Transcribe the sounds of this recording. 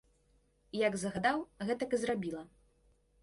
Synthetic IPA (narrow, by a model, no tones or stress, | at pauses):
jaɡzɐɣad̪awɣɛt̪ɐkɨzrabʲilˠɐ